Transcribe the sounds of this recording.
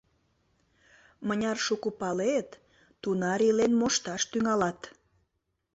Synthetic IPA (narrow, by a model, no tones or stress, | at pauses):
mənʲɑrʃukupɑlet̪ː | unɑɾilenmoʃt̪ɑʃt̪yŋɑlɑt̪